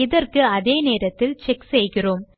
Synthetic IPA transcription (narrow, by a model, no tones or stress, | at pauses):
ɪðɐrkɯɐðeːneːɾɐt̪ːɪlt͡ʃɛksɛjɣɪroːm